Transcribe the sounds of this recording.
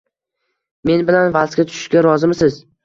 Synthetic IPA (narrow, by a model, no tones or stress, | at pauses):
me̞nbɪlanvaskʲat̪ʰʊ̥ʃɪ̥ʃkʲaɾɒzɪmsɪz